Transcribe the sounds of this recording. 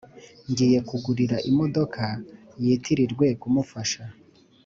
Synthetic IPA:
ŋɡiːje̞kuɡuɾiɾaʔimo̞do̞kʰa | jiːtʰiɾiɾɡwe̞kumufaʃa

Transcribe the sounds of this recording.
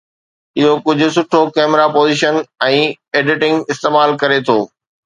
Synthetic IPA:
ɪɦokʊd͡ʑʱʊ̆s̬ʊʈʰokɛːmɾapoːziːʃənɛ̃ː | eːɖɪʈɪ̃ŋɡɪst̪eːmaːlkɐɾet̪ʰoː

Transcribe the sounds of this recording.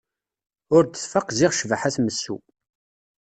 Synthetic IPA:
ʊɾt̪ə̥θfəqːziʁʃvħaθməsːṵ

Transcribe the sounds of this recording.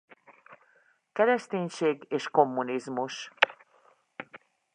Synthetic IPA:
kɛɾɛʃt̪eːɲʃeːɡeːʃko̞mːunizmuʃ

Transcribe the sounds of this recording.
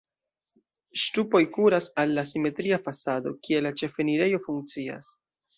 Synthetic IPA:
ʃtupo̞jkuɾasalːasime̞tɾiafasado̞̰kie̞lat͡ʃe̞fe̞niɾe̞jo̞fuŋk̚t͡sia̰s

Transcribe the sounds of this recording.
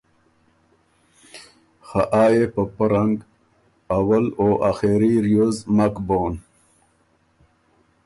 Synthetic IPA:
xaʔaːjepəpəɾaŋɡ | awaloːʔaxeɾiɾjozmakboːn

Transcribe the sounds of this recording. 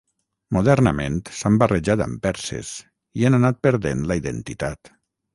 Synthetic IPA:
muðɛɾnəment̪sambəreʒat̪ə̰mpɛɾsḛs | iananat̪̚peɾðenləiðḛnt̪it̪at̪

